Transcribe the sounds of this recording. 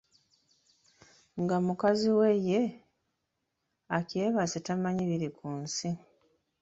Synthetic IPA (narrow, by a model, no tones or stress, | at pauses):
ŋɡamukaziwe̞je̞ | ace̞ːβasetamaɲiβiɾikʰuːnsi